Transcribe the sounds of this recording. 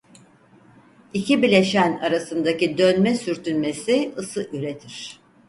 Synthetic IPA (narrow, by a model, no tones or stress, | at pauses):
icʰibilʲe̞ʃæna̰ɾasɯnd̪acid̪ønmɛsyɾt̪ynmesiɯsɯʔyɾet̪ʰiɾ̝̥